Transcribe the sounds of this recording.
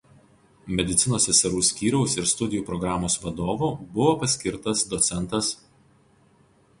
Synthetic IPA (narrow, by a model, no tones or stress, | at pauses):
mʲɛd̪ʲɪt̪sʲɪnoːsʲɛsʲɛɾuːsʲkʲiːɾʲɛʊsɪɾst̪ʊd̪ʲɪjuːpɾɔɡɾɑːmoːsʋɐd̪oːʋuːbʊʋoːpɐsʲkʲɪɾt̪ɐsd̪ɔt̪sʲɛnˑt̪ɐs